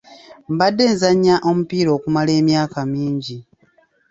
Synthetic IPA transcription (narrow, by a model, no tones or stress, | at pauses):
m̩badːe̞ːnzaɲːaʔo̞mupiːɾo̞ːkumale̞ːmjaːkamiːɲɟi